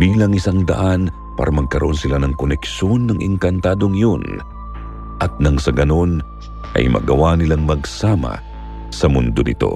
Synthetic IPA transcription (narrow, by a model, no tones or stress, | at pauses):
biːlɐŋɪsaŋd̪ɐ̰ʔan | pa̰ːɾɐmɐɡ̚kɐɾoʔo̞nsɪlanɐŋkonɛkʃo̞nːɐŋʔɪ̰ŋkɐnt̪aːd̪o̞ŋjon | ʔɐt̪̚nɐŋsɐɡɐno̞n | ʔɐ̰jmɐ̰ɡɐwanɪlaŋmɐɡsaːmɐ̰ | sɐmʊnd̪onɪt̪o̞̰